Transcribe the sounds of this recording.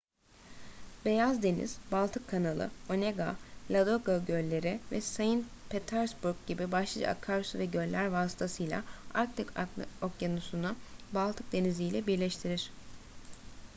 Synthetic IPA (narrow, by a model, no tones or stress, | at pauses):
be̞jazd̪e̞nḭz̥balˠt̪ʰɯkʰːanalˠɯ̰o̞neɡa̰lʲad̪oɡaɟølʲːe̞ɾɪvɛsajɯn | pʰet̪ʰaɾsbuɾɡ̚ɟibibaʃlˠad͡ʒa̰a̰kʰːaɾsvɛɟø̞llːʲæɾvaːsɯ̥t̪ʰasɯjlʲˠa̰aɾk̚t̪ʰɛkʰokjanusunubalˠt̪ʰɯk̚d̪e̞nizijlʲɛbiɾlʲɛʃt̪ʰiɾiɾ̥